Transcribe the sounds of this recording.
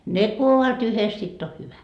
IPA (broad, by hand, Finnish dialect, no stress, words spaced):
ne ku oʋɑt yhes sitː o hyʋæ